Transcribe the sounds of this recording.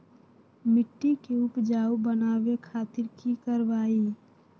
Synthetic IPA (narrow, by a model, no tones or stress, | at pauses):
mɪʈːikeʊpd͡ʒaːubənaːʋekʰaːt̪ɪɾkikəɾʋaːi